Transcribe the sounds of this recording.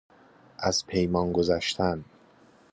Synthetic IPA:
ʔæz̥pʰe̞jmɒːnɡozæʃt̪ʰæn

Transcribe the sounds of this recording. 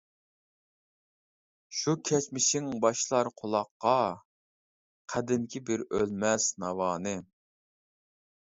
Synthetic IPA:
ʃukʲʰɛt͡ʃmɪʃɪŋbɑʃlˠɑɾqʰolˠɑqːɑ | qʰæd̪ɪŋkʲʰibɪɾølmɛsnɑwɑːnɨ

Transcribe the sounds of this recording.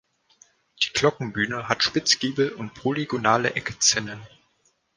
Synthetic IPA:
d̥iːkl̥ɔkŋ̩byːnəɦatʃpɪt͡sɡ̥iːbl̩ʊnt̚pʁ̥oliɡonaːləʔɛkə̥t͡sɪnən

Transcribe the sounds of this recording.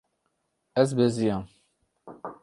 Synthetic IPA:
ɛzbɛzijam

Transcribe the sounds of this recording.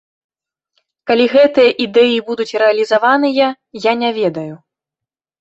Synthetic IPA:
kalʲiɣɛt̪ɨjɐʔid̪ɛjibud̪ut͡sʲrɛɐlʲizavanɨjɐ | janʲavʲɛd̪ɐju

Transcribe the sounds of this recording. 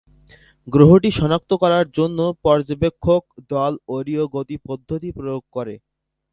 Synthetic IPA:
ɡɾoɦoʈiʃɔnak̚t̪okɔɾaɾd͡ʑonːopɔɾd͡ʑobekʰːok̚d̪ɔloɾioɡot̪ipod̪ʱːot̪ipɾojoɡ̚kɔɾe

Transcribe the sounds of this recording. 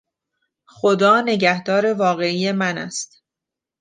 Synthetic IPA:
xod̪ɒːne̞ɟæhd̪ɒːɾe̞vɒːɣe̞iːje̞mænæ̰st̪

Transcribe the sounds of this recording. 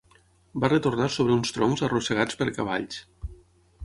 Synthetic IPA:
barət̪urnasoβ̞ɾəunst̪ɾɔŋzərosəɣ̞at͡spəɾkaβ̞a̰ʎs

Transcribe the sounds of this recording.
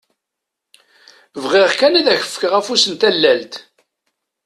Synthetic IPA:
vʁiʁkænæðæçə̥fkəʁæfusənt̪ælːælt̪

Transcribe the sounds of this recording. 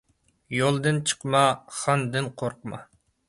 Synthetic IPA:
jolˠd̪ɨnt͡ʃʰə̥qmɑχɑnd̪ɨnqʰoɾqmɑ̰

